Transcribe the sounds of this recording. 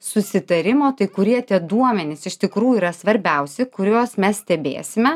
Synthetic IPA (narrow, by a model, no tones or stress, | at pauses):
sʊsʲɪt̪ɐɾʲɪmoːt̪ɐɪkʊɾʲiɛt̪ʲiɛd̪uɔmʲɛnʲɪsɪʃt̪ʲɪkɾuːjuiːɾɐsʋɐɾʲbʲɛʊsʲɪkʊɾʲoːsmʲɛssʲt̪ʲɛbʲḛːsʲɪmʲɛ